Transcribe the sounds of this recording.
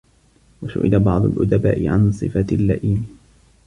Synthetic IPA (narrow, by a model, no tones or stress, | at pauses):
waʃʊ̰ʔɪ̰labɑʕd̪ˤʊlʔʊd̪aba̰ːʔɪʕa̰nsˤɨfalːaʔiːn